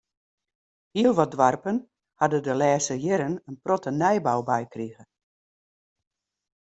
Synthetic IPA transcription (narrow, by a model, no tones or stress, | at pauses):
hiəlˠʋɔdʋarpən | hadədəlɛːsəjɪɾənənprɔtənɛjbawbɛjkriɣə